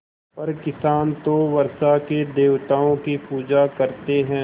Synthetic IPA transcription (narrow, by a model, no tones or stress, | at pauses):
pɐɾkɪsaːnt̪oʋɐɾsaked̪eːʋt̪aːõkipuːd͡ʒakɐɾt̪eɦɛ̃ː